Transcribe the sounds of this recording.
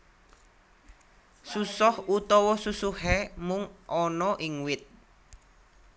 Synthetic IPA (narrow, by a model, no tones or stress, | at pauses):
susɔhut̪ɔwɔsusuhɛmʊŋʔɔnɔʔiŋwɪt̪̚